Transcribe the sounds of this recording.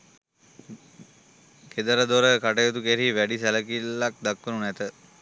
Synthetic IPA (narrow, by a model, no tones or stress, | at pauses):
ked̪əɾəd̪oɾəkaʈəjot̪ukeɾiʋæɖisæləkilːak̚d̪akːʋənunæt̪ə